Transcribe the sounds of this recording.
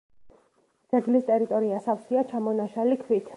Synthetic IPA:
d̪z̥ɛɡlist̪ʼɛɾit̪ʼɔɾiasafsiat͡ʃʰamɔnaʃalikʰwit̪ʰ

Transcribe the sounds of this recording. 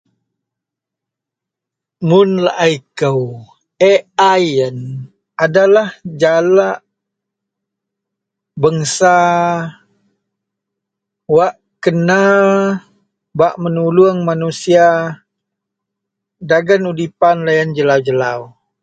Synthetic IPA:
mʊnla̰ʔaikəw | eajən | adalahd͡ʒalaʔ | bəŋsa | waʔ | kəna | baʔmənuluəŋmanusia | daɡənudipanlajand͡ʒəlawd͡ʒəlaw

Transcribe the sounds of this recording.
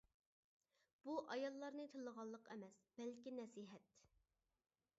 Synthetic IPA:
b̥uʔɑjɑlˠːɑɾnɨt̪ʰɨlˠəʁɑlˠːəqɛ̰mɛsb̥ɛlkʲinɛsiːɦɛt̪

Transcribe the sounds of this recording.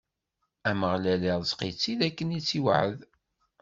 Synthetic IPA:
æməʁlæliʁˤzqit͡sːiðækːənit͡sːiwʕəð

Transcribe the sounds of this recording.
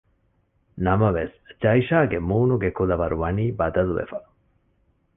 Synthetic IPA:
nɐmɐʋesd͡ʒɐiʃaːɡemuːnuɡekulɐʋɐɾuʋɐniːbɐd̪ɐluʋḛfɐ

